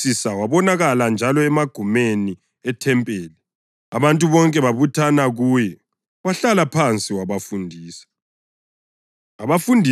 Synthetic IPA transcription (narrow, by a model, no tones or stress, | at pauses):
isawaβɔnaɣaland͡ʒʱalɔɛmaɡ̥ʱumeni | ɛtʰɛmpʼeːli | aβantʼuβɔŋkʼɛβaβutʰanaɣujɛ | βaɬalapʰant͡sʼiwaβafundʱiːsḁ | aβafundʱi